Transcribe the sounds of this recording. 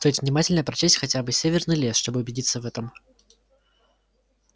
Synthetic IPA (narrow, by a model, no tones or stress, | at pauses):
t̪ojɪt̪ʲvnʲɪmatʲɪlʲnəpɾɐt͡ɕesʲtʲxɐtʲabɨsʲevʲɪrnɨjlʲɛsʂt̪obɨʊbʲɪdʲit̪sːəvɛt̪əm